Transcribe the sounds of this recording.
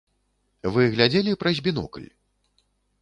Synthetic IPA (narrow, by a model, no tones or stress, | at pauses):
vɨɣlʲad͡zʲɛlʲipɾɐzʲbʲinɔ̰kɨlʲ